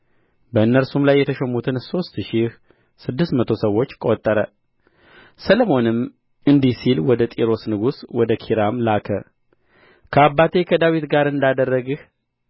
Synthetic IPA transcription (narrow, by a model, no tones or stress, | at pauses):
bəɨnːəɾsumlajːɛt̪ʰəʃɛmut̪ʰɨnso̞st̪ʃih | sɨd̪ːɨst̪mət̪ʰo̞səwːo̞t͡ʃːkʼot̪ʼːəɾə | sələmo̞nɨm | ɨnd̪isilwɔd̪ət̪ʼiɾo̞snɨɡuswɔd̪əkʰiɾamlakʰə̰ | kʰəabːat̪ʰe̞kʰəd̪awit̪ɡaɾɨnd̪ad̪ərːəɡɨh